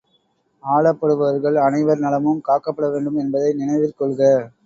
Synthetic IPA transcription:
aːɭɐpːɐɽɯʋɐɐɾɣɐɭɐnɐɪʋɐɾnɐlɐmɯmkaːkːɐpːɐɽɐʋeːɳɖɯmɛnbɐðɐɪnɪnɐɪʋɪɾkɔɭɣɐ

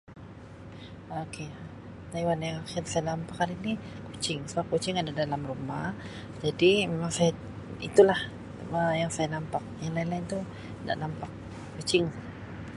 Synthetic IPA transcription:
okʰe | t̪ajwanjaŋaxɪlsajanampakalinikot͡ʃɪŋsəbakot͡ʃɪŋadadalamrumah | d͡ʒadimemaŋsaja | it̪ulah | ajaŋsajanampak̚jaŋlailaint̪u | da̰ʔnampak̚ː | ot͡ʃɪŋ

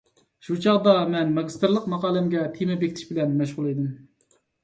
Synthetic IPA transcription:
ʃut͡ʃʰɑʁd̪ɑmɛnmɑɡʲist̪ɨɾlˠəqmɑqɑːlˠɪmɡʲɛt̪ʰemɛbekʲt̪ʰiʃbɪlɛnmɛʃ̬ʁʊlˠed̪ɪm

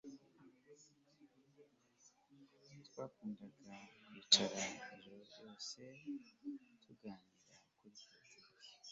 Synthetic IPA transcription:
twaːkuːndaɡait͡ʃaɾaiʒuɾoɾjo̞ːse̞ | tʰuɡaːndiɾakuɾikiza

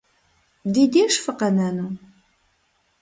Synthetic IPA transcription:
d̪id̪iʃfəqənænu

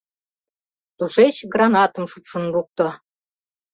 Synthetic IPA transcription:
t̪uʃet͡ɕɡrɑnɑt̪əmʃupʃə̆nruk̚t̪ŏ

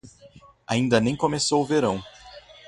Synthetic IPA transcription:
aĩnd̪ɐnẽj̃komesowʊveɾɐ̃w̃

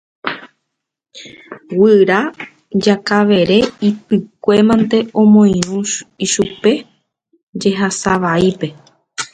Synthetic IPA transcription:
wɨɾa | d͡ʒakaʋe̞ɾe̞ipɨkʷe̞mãnt̪e̞ʔõ̞mõj̃ɾ̃ũʃiʃupe̞ | d͡ʒe̞ɦasaʋaipe̞

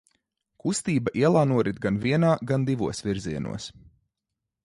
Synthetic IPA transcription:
kust̪iːbaʔiɛlˠaːnuɔɾid̪̚ɡanviɛnaːɡand̪ivuɔsvʲiɾziɛnṵɔs

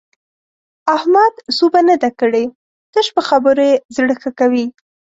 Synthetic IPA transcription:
ahmad̪subanad̪akəɽe | t̪əʃpəxabəɾojezɽəxakawi

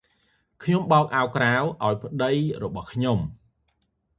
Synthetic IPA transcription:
kʰɲomɓɑɔk̚ʔaɔkrawʔaɔjpʰə̆ɗəjrɔɓɑhkʰɲom

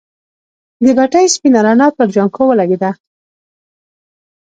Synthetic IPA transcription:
d̪əɡaʈajspinaɾɑnɑt̪̚pəɾd͡ʒaŋkowəlaɡed̪a

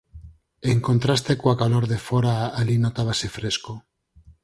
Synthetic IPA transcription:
eŋkont̪ɾast̪ekoakaloɾðefoɾaalinot̪aβasefɾesko

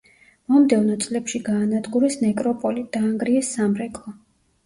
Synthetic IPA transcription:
mɔmd̪ɛvnɔt̪sʼlɛpʃiɡaːnad̪ɡuɾɛsnɛkʼɾɔpʼɔlid̪̥aːŋɡɾiɛsːamɾɛkʼlˠɔ

